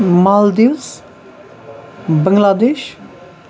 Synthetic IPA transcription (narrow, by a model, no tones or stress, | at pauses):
maːld̪iws | bəŋɡlaːd̪eːʃ